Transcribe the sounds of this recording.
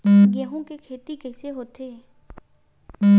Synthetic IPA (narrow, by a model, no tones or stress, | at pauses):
ɡɛ̃ːɦõkekʰeːt̪ikɛːseɦoːt̪eː